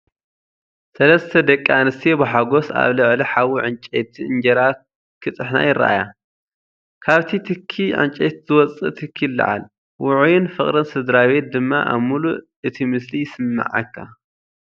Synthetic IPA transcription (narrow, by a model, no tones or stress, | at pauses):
sɐlɐst̪ʰɐd̪ɐkʼːanɨst̪ʰibɨħaɡo̞sa̰βlɨʕliħawiʕɨnt͡ʃʼet̪ʰiɨnd͡ʒɐɾa | kʰɨt̪ʼɨħna̰jɪrːa̰ʔa̰ja | kʰaβt̪ʰit̪ʰɨkʰːiʕɨ̰nt͡ʃʼet̪zɨwɔt͡sʼɨ̰t̪ʰɨkʰːilːɨ̰ʕa̰l | wʊʕujɪnfɨχʼɾɨnsɨd̪ɾaβet̪̚d̪ɨmːa̰ʔa̰βmulu | ɨt̪ʰimɨslijɪsɨmːɨ̰ʕa̰kʰːa̰